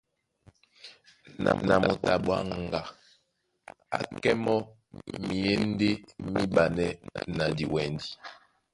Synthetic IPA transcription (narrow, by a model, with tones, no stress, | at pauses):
na̰˨mna̰˨mɔ˨ta˨ɓwa˦ŋ˨ɡa˨ | a̰˨kɛ˦mɔ˦ | mi˨je˦n̩˦de˦mi˦ba˨nɛ˦na˨di˨wɛ˨ndi˦